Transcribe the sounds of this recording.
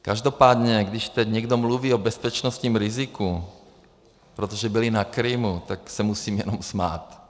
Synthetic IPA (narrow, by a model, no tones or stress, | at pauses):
kaʒd̪opaːd̪ɲɛɡd̪iʃt̪ɛɟɲɛɡd̪omluʋiːobɛspɛt͡ʃnɔst̪ɲiːmɾiziku | pɾɛt̪oʒɛbilinakɾimut̪aksɛmusiːmjɛ̰nɔmsma̰ːt̪